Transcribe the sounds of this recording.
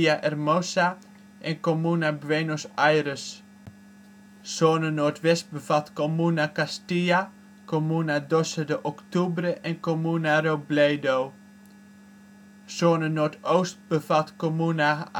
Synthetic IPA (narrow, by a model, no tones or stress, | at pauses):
aʔɛrmosa | ʔɛnkomunabʋenosajrəs | soːnənoːɹtʋɛst̚bəvatkomunakastija | komunadɔsədəʔɔktubrəʔɛnkomunarowblejdow | soːnənoːɹtowst̚bəvatkomuna